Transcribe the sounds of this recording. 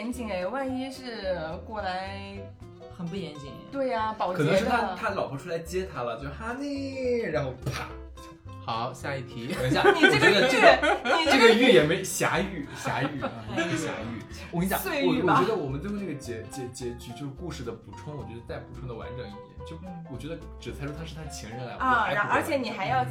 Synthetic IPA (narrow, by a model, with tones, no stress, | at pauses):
jɛ˧˥nt͡ɕi˨˩ŋe˧˩˧wa˥˩nɛ˥ʂɻ̩˥˩kwɔ˥˩la˧˥ɪ | xə˨˩npu˥˩jɛ˧˥nt͡ɕi˨˩ŋt̪we˥˩ɪɐ˩kpɑ˨˩ʊɤ˨˩ɤ˧˥ŋ˥ʂɻ̩˥˩t̪ʰa˥t̪ʰa˥lɑ˨˩ʊpʰu˧˥ʈ͡ʂʰu˥la˧˥ɪt͡ɕjɛ˥t̪ʰa˥lə˨t͡ɕjo˥˧xa˥ne˥˩ɻa˧˥nxo˥˩ʊa̰˧˩ | xɑ˨˩˦ʊɕja˥˧i˨˩t̪ʰi˧˥˩ɔ˧˥n˥ja˨˩˥ə˥˩ʈ͡ʂə˥˩ɡə˩ʈ͡ʂɡʈ͡ʂɤ˥˩ɡə˨y˥˩jɛ˨˩me˧˥ɕja̰˧˥y˥˩ɕja̰˧˥y˥˩˧o˥˩ɕja̰˧˥y˥˩˥ɕjɔ˨˩t͡ɕɥɛ˥ə˧wɔ˨˩mə˦nwna˥˩ɡə˩t͡ɕjɛ˧˥t͡ɕjɛ˧˥t͡ɕjɛ˧˥t͡ɕy˧˥t͡ɕjo˥˧ʊʂ̩˥˩ku˥˧ʂɻ̩˥˩d̪ə˩pu˨˩ʈ͡ʂʰwʊ˥ŋwɔ˨˩t͡ɕɥɛ˧˥d̪ə˧t͡sa˥˩ɪpu˨˩ʈ͡ʂʰʊ˥ŋd̪ə˩wa̰˧˥nʈ͡ʂɤ˨˩˦ŋi˥˩t̪jɛ̰˨˩˦nt͡ɕjo˥˩ʊwɔ˨˩t͡ɕɥɛ˧˥d̪ə˧ʈ͡ʂɻ̩˨˩sʰa˥ɪʂwɔ˥t̪ʰʂ̩ɻ̩˥˩t̪ʰa˥˩t͡ɕʰi˧˥ŋɻə˧˥nla˧˥ɪ˥˧˥ə˞˥˧˥t͡ɕʰjɛ˧˥ni˨˩xa˧˥ɪjɑ˥˩ʊ